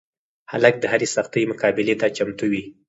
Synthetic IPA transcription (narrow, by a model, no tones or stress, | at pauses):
halak̚d̪əhaɾesaxt̪əjmʊkɑbɪlet̪at͡ʃamt̪uwi